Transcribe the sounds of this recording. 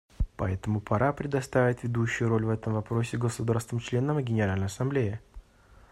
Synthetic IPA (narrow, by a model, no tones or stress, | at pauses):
pɐɛt̪əmʊpʰɐɾapɾʲɪd̪ɐst̪avʲɪt̪vʲɪd̪uɕːʊjʊɾo̞lʲvɛt̪əmvɐpɾo̞sʲɪɡəsʊd̪arst̪vəmt͡ɕlʲe̞nəmɡʲɪnʲɪɾalʲnəjɐsɐmblʲejɪ